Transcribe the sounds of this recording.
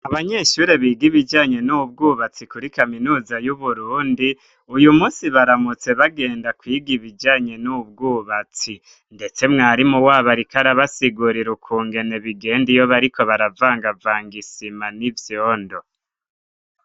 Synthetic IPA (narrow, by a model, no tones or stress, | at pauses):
aβaɲe̞ʃuːɾe̞βiːɡiβid͡ʒaːɲe̞nuubɡuːβat͡sikuɾikaminuːzajuβuɾuːndi | ujumuːsiβaɾamut͡se̞βaɡe̞ːndakwiːɡiβid͡ʒaːɲe̞nub̚ɡuːβat͡si | nde̞t͡se̞mŋaːɾimuwaːβaɾikaɾaβasiɡuɾiɾukʰuːŋɡe̞ne̞βiɡe̞ːndijo̞βaɾiko̞βaɾavaːŋɡavaːŋɡisimanivjoːndo̞